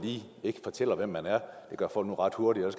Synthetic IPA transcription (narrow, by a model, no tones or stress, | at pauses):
liː | e̝ɡ̥əfɒ̽t͡sʰel̰ɐʋem̰ːænæɐd̥e̝ɡ̥ɶɐfɒ̽l̰ɡ̥nuʁɑ̈d̥huɐɾ̥i̥ɒ̽s